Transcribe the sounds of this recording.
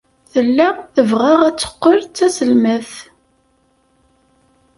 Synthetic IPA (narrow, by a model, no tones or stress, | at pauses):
θəlːæθəvʁaʁæt͡sːə̥qːəɾt͡sːæsəlməθ